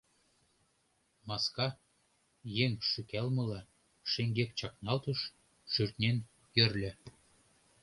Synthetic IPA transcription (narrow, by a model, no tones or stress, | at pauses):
mɑskɑ | jeŋʃykælmɤ̆lɑ | ʃeŋɡekt͡ɕɑknɑlt̪ɤ̆ʃ | ʃyrt̪nʲen | jɘ̆rlʲɘ̆